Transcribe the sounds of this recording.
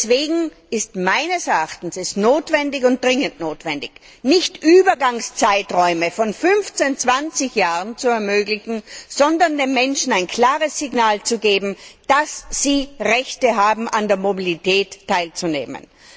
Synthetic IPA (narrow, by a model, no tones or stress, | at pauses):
sv̥eːɡŋ̩ | ɪstmaɪnəsɛɐaχtn̩sɛsnoːtv̥ɛndɪçʊnt̚d̥ʁɪŋəntnoːtv̥ɛndɪç | nɪçtʔyːbɐɡaŋst͡saɪtʁɔʏməfɔnfʏnft͡sent͡sv̥ant͡sɪçjaːʁənt͡suɛɐmøːɡlɪçŋ̩z̥ɔndɐndeːmmɛnʃn̩aɪnkʰl̥aːʁəsːɪɡnaːlt͡suɡeːbm̩d̥asz̥iːʁɛçtəɦaːbm̩ʔandeːɐmobilitʰɛːtʰːaɪlt͡sunḛːmə̰n